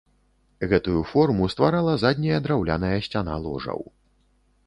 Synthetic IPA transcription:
ɣɛt̪ujufɔrmust̪vaɾalˠɐzad̪ʲnʲɐjɐd̪ɾawlʲa̰nɐjɐsʲt͡sʲana̰lˠɔ̰ʐɐ̰w

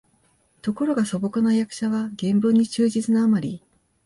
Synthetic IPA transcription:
t̪o̞ko̞ɾo̞ɡaso̞bo̞kɯnajakɯ̟̥ɕaβaɡẽ̞mbɯɲ̟ːit͡ɕɨːʑit͡sɨnaːmaɾʲi

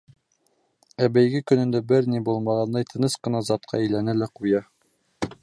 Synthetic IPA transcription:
æbæjɡɘkɵ̆nɘ̆nd̪æbɘɾnibulˠmɑʁɑnd̪ɑjt̪ʰɤ̆nɤsqɤ̆nɑzɑt̪̚qʰɑ̰ɘ̆jlænælæqujɑ

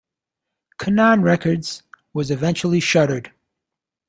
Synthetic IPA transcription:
kʰɨnɑ̃nɹɛkə˞dz̥wʌzɨvɛ̃nt͡ʃl̩ˠiʃʌɾə˞d̥

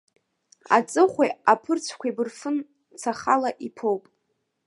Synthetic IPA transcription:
a̰t͡sʼɨχʷeapʰɨrt͡sʷʰkʷʰabɨrfɨn | t͡sʰaχalaʔipʰowpʼ

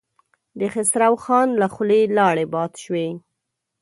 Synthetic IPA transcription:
d̪əxɪsɾawxɑnlaxʊlelɑɽebɑt̪ʃwe

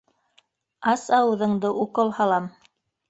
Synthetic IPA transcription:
ɑsɑwɤ̆ðɤ̆ɴd̪ɤʔuqolˠhɑlˠɑm

